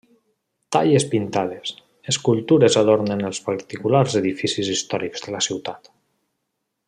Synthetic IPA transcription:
t̪a̰ʎespint̪að̞es | eskulˠt̪uɾezaðoɾnenəlˠspaɾt̪ikularzeðifisizist̪ɔɾikz̥ðəlasiwt̪at̪

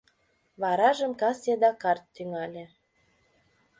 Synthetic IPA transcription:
βɑɾɑʒəmkɑsjed̪ɑkɑrt̪ːyŋɑlʲĕ

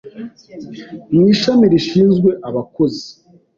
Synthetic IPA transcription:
niːʃamiɾiʃiːnzɡwe̞ʔaβako̞zi

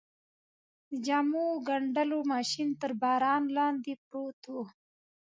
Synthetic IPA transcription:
əd͡ʒamuɡaɳɖəlomɑːʃint̪əɾbɑːɾɑnlɑːnd̪ipɾot̪o

